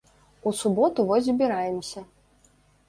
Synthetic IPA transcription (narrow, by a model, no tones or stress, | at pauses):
usubɔt̪uvɔzʲzbʲiɾajɛmsʲɐ